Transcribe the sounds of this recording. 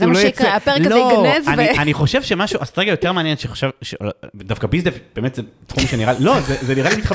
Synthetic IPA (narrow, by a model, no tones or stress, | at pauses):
zulojat͡sepeʁloesanianiχo̞ʃevʃemaʃuʔasḁtʁeɡajo̞t̪e̞ʁmeanjenʃeχo̥ʃevʃeolvedafkabizdefb̥e̞ːmetzet̪χumʃeniʁalilo̞zezeniʁalimit̪χa